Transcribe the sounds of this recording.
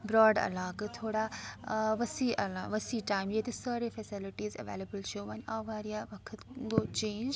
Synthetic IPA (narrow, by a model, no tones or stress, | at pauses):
bɾɔːɖɐ̰laːkt̪ʰoːɽa | ʋɐsiɐlaʋɐsiʈaːɪmjet̪esaːɾefesɪlɪʈiːzɐ̰ʋḛːlebəlʃoːʋɐɲaːʋaːɾijaʋɐkʰət̪ɡot͡ʃẽːɲd͡ʒ